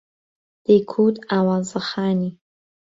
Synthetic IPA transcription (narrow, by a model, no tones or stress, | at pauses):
d̪̥ekʰut̪awazəxɑːni